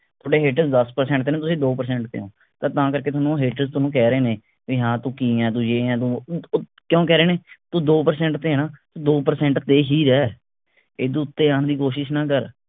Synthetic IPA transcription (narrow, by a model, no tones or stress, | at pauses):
t̪ʰoːɽeːɦeːʈəɾzd̪əspəɾsɛ̃ɳʈ̚t̪eːnẽːt̪ʊsĩːd̪oːpəɾsɛ̃ːɳʈt̪ḛːõː | t̪ət̪ãːkəɾkeːt̪ʊnũːɦeːʈəɾzt̪ʊnũːk̬ɛːɾeːnẽː | iːɦãːt̪ũːkiːɛ̃ːt̪̬ũːd͡ʒeːɛ̃ːt̪̬ũ | kjõːkɛːɾeːneːt̪ũːd̪oːpəɾsɛ̃ːɳʈt̪eːnãːt̪ũd̪oːpəɾsɛ̃ːɳʈt̪eːɦiːɾɛː | eːd̪ũːʊt̪ːeːaːnd̪iːkoːʃɪʃnãːkəɾ